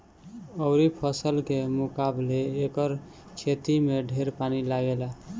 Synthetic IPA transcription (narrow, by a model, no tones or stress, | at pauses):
əʊɾipʰəsəlkemukableːkəɾ | t͡ʃʰet̪imeɖʱeɾpanilaɡela